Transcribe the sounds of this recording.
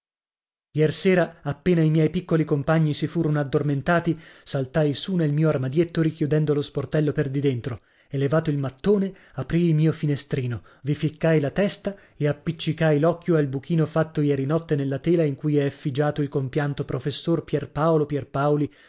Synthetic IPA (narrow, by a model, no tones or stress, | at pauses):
jɛrseːɾaapːeːnaimjɛjpikːolikompaɲːisifuːɾonoad̪ːorment̪aːt̪isalt̪ajsunelmiːoarmad̪jet̪ːoɾikjud̪ɛnd̪olosport̪ɛlːoperd̪id̪ent̪ɾo | elːevaːt̪oilmat̪ːoːne | apɾiːlmiːofinest̪ɾiːno | vifikːajlat̪ɛst̪a | eapːit͡ʃːikajlɔkːjoalbuk̟ʰiːnofat̪ːojɛːɾinɔt̪ːenelːat̪eːlaiŋkujɛfːid͡ʒaːt̪oilkompjant̪opɾofesːorpjɛrpaolopjɛrpaoli